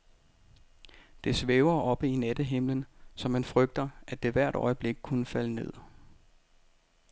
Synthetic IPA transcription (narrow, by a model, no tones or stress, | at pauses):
d̥e̝sʋeʊɐʔɒ̽b̥əinæd̥əɦe̝m̰lənsɒ̽mːænfʁœɡ̥̚d̥ɐʔæd̥e̝ʋæɐ̰ɾ̥ɒ̽ɪəb̥le̝ɡ̥̚kʰunəfæləne̝ð̞̰ˠ